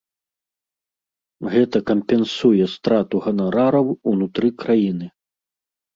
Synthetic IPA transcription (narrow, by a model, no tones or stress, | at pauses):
ɣɛt̪ɐkɐmpʲɛnsujɛst̪ɾat̪uɣɐnaɾaɾɐwunut̪ɾɨkɾajinɨ